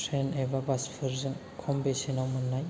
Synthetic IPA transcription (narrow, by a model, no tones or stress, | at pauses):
ɾenebabaspʰɯɾzɯŋ | kʰɔmbesenawmɯnːaj